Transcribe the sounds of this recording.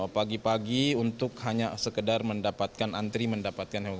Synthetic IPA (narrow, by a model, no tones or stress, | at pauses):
paɡipaɡiunt̪ʊkhaɲasəkədarməndapat̪̚kanʔant̪ɾiməndapat̪̚kanɦe